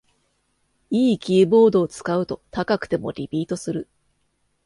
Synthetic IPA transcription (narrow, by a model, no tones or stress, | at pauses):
iːkʲiːbo̞ːd̪o̞ːt͡sɨ̥kaɯ̟t̪o̞t̪akakɯ̟̥t̪e̞mo̞̰ɾʲipʲiːt̪o̞sɨɾɯ̟